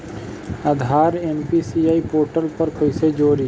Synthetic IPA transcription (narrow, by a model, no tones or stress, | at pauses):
aːd̪ʱaːɾeːnpisiːaːipoːɾʈəlpɐɾkʰoːised͡ʒoːɾiː